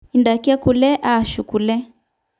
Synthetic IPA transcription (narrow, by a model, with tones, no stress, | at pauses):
i˨nda˨ki˦a˦ku˨lɛ˦ʔa˦˨ʃu˨ku˨lɛ˦